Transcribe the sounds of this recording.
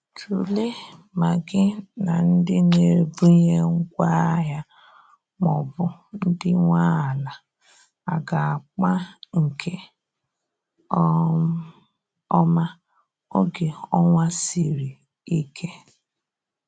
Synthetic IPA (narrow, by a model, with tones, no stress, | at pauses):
tʰu˨le˦ma˨ɡɪ˦na˨n̩˦dɪ˦ne˨bu˦ɲe˦ŋ̩˦kʷa˦ɦja˦ | mɔ˨bʊ˨n̩˦dɪ˦ŋʷa˦a˨la˨ | a˨ɡa˨a˨k͡pa˦ŋ̩˨kʰe˦ | ɔ˦ma˦ | o˦ɡe˨ɔ˦ŋʷa˦si˨ɾi˨ | i˦kʰe˦